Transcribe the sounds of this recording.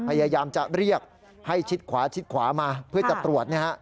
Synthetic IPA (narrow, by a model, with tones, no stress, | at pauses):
pʰa˧jaː˧jaː˧mt͡ɕa̰˨˩ɾi˥˩ək̚ | ha˥˩jt͡ɕʰi˦˥t̪̚kʰwaː˩˦t͡ɕʰi˦˥t̪̚kʰwaː˩˦maː˧pʰɯ˥˩ɐt͡ɕa˨˩t̪ɾu˨˩ət̪̚niː˥˩ha˦˥ʔ